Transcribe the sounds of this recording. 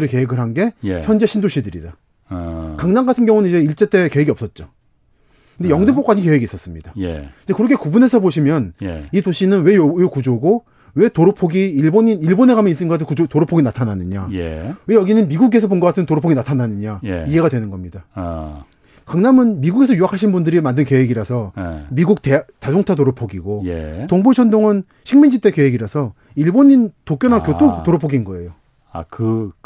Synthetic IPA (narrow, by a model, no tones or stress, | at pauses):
ɾɯɭke̞weɡɯɾɦanɡe̞çjʌnd͡ʑe̞ɕʰindoɕʰidɯɾḭda | kaŋnaŋɡatʰɯnɡjʌŋunɯnid͡ʑe̞iɭt͡ɕ͈e̞t͈e̞ke̞weɡiʌp̚s͈ʌt̚t͡ɕ͈o | kɯndejʌŋdɯp͈ok͈ad͡ʑʰinke̞weɡis͈ʌs͈ɯmɲidajḛiɲd͡ʑekɯɾʌkʰe̞kubune̞sʰʌboɕʰimjʌnjitoɕʰinɯnwe̞jjokud͡ʑoɡo | we̞toɾopʰoɡiːɭboɲiiɭbone̞kamjʌnis͈ɯɡʌkatʰɯnkud͡ʑotoɾopʰoɡinatʰananɯɲa̰jḛwe̞jʌɡinɯnmiɡuɡe̞sʰʌponŋɡʌkatʰɯmntoɾopʰoɡinatʰananɯɲajie̞ɡadwe̞nɯnɡʌmɲida | kaŋnamɯnmiɡuɡe̞s̬ʰʌjuɦakʰaɕʰinbundɯɾimandɯnkeɦeɡiɾasʰʌmiɡuk̚tet͡ɕad͡ʑoŋt͡ɕʰat̬oɾopʰoɡiɡojḛtoŋbut͡ɕʰʌndoŋɯn | ɕʰiŋmind͡ʑit͈e̞keɦeɡiɾasʰʌ | iɭboɲintok͈ʌnakjot͈otoɾopʰoɡinnɡʌe̞jo | a̰kɯ